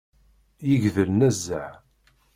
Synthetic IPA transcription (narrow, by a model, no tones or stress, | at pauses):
jəʝðəlnæzːəʕ